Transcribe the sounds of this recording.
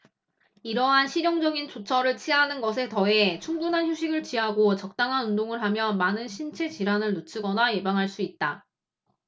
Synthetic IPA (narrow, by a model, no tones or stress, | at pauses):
iɾʌɦanɕʰiɾjʌŋd͡ʑʌɡint͡ɕot͡ɕʰʌɾɯɭt͡ɕʰianɯnɡʌs̬ʰe̞tʌe̞t͡ɕʰuŋbunɦançjuɕʰiɡɯɭt͡ɕiɦaɡot͡ɕʌk̚t͈aŋɦanundoŋɯɭɦamjʌmanɯnɕʰint͡ɕʰe̞t͡ɕiɾanɯɭnot͡ɕʰɯɡʌnaje̞baŋɦaɭs͈uit̚t͈a